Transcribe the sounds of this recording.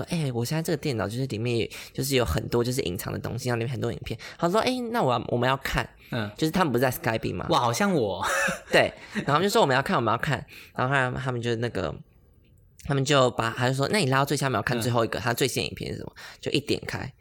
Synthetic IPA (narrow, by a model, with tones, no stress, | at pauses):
ɔ̰˦˥ʔe˥˩ɪwɔ˨˩ɕjna˥˧ɤ˥ɡət̪jɛ˥˩nɑ˨ʊt͡ɕjo˥˧ʊʂ̩˥˩li˨˩mjɛ˥˩˨ɛ˨˩t͡ɕjo˥˧ʂ̬̩˥˩jo˧˥ʊxə̰˨˩nt̪wɔ˦t͡ɕjo˥˧ʊʂɻ̩˥˩ʔḭ˨˩ŋt͡sʰɑ̰˧˦ŋd̪ə̰˨t̪o̰˥ŋɕi˨˧˥ɑ˥˩li˨˧ɛ˥˩ə˨˩t̪wɔ˥i˨˩ŋpʰjnɑ˧˩˥ɔ̰˥ʔe˥˩ɪna˥˨wɔ˨˩wʔɔ̰˨˩mə̃˦jɑ˥˧ʊkʰa̰˥˩n | t͡ɕjo˥ʊʂ̬̩ʰ˥˩a˥m˨˩pu˧˥t͡sa˥˩ɪska˥ɪpḭ˨˩ma̰˨wxɑ˨˩ʊɕjɑ˥˨ŋwɔ˨˩t̪we˥˩ɪ˥˩˨ | jɑ˥˧a˥˩nwə˧˦jɑ˥˧ʊkʰa˥˩nɻa˨˦˥t̪t̪ʰa˥mə˨t͡ɕjo˧ʊ˧na˥˩ɡə̰˩ | t̪ʰa˥mə˨nt͡ɕjo˥˩ʊpa˨˩˨t͡ɕo˥˩˥ɔ̰˥˦na˥˩ni˨˩la˥˩˥wm˨˧˩jkʰn˧t͡swe˧ɪxo˥˩ʊi˥ɡə̰˨t̪ʰa˥mə˧nt͡swe˥˧ɕɛ˥˧n˨ḭ˨˩pʰɛ̰˥˨n̩̰˥ʂə˩mə̰˨t͡ɕjo˥˧ʊʔi˥˩t̪jɛ̰˨˩nkʰa̰˥ɪ